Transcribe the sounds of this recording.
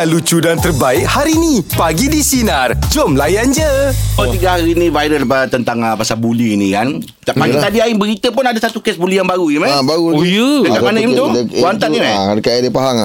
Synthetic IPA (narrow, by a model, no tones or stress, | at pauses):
alut͡ʃudant̪ərbaɪk̚haɾinipaɡidisinard͡ʒɔmlajand͡ʒəɔt̪iɡaɦaɾiːnĩvajdəlpat̪ənt̪aŋəpasabuliinikan | t̪apaɡit̪adiaɪŋbəɾit̪əpʊnadasat̪ukɛsbuliaŋbaɾuimabaɾujuəamanaimt̪ʊwant̪aimakajadipaɦaŋ